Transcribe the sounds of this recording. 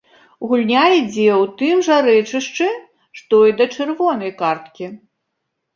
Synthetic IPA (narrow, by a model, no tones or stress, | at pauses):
ɣulʲnʲajid͡zʲɛwt̪ɨmʐaɾɛt͡ʂɨʂt͡ʂɨ | ʂt̪ɔid̪ɐt͡ʂɨrvɔnɐjkart̪kʲi